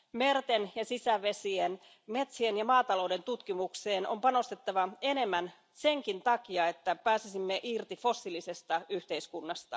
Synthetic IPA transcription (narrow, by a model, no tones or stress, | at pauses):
mert̪enjɑsisæʋe̞sien | me̞t̪sienjɑmɑːt̪ɑlo̞wde̞nt̪ut̪kimukse̞ːno̞̰mpɑno̞st̪et̪ːɑʋɑe̞ne̞mːæn | se̞ŋkint̪ɑkiɑe̞t̪ːæpæːsisimːeʔirt̪ifo̞sːilise̞st̪ɑyht̪e̞iskunːɑst̪ɑ̰